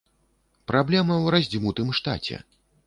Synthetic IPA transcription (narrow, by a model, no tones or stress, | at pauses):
pɾʔablʲɛmɐwɾazʲd͡zʲimut̪ɨmʂt̪a̰t͡sʲɛ̰